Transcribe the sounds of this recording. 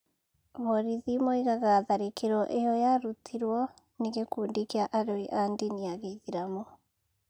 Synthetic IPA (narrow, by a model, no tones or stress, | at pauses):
βɔɾiðimɔiɣaɣaðaɾekeɾɔʔejɔjaɾutʰiɾwɔ | niɣekuːndikiaʔaɾoiʔandiniaɣeiðiɾamɔ